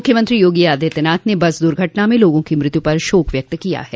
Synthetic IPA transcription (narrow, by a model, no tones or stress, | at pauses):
ʊkʰːjəmɐ̃nt̪ɾijoːɡiaːd̪ʱet̪ɪnaːt̪nebɐsd̪ʊɾɡʱɐʈnamẽloːɡõkimɾɪt̪jupɐɾʃoːkʋjɐk̚t̪kija̰ɦɛː